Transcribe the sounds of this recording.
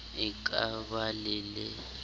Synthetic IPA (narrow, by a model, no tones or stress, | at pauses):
ikʼaɓalɛlɛ